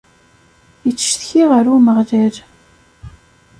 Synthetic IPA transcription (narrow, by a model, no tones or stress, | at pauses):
jət͡sːə̥ʃθçiʁəɾuməʁʒæɾ